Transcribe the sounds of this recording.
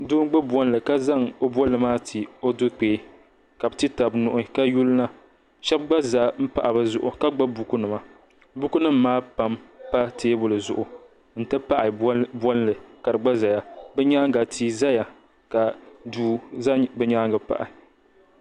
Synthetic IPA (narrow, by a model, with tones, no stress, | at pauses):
dʊː˦ŋ˦ɡ͡bɨ˦bɔ˦n˦lɨ˨ka˦za˦ŋo˦bɔ˦lɨ˨maː˦tʰi˨o˦dʊ˦k͡peː˨˦ | ka˨bɨ˦tɨ˦ta˨bnʊ˨ʔʊ˦ka˦ju˦lna˦ | ʃɛ˦b̚ɡ͡ba˦za˨m̩˦pa˨ʔa˨bɨ˦zʊ˨ʔʊ˨ka˦ɡ͡ba˦bu˦ku˦nɨ˨ma˦ | bu˦ku˦nɨ˦m̩ː˦aː˦pa˨mpa˦tʰeː˦bʊ˦lɨ˨zʊ˨ʔʊ˨ | n̩˦tɨ˦pa˦ʔɪ˨˦bɔ˦n˦lɨ˨ka˨ɾɨ˨ɡ͡ba˦za˨ja˨bɨ˦ɲa˦ŋɡa˨tʰi˦za˦ja˨ | ka˨duː˦za˦bɨ˦ɲa˦ŋɡa˨pa̰˨ʔɪ̰˨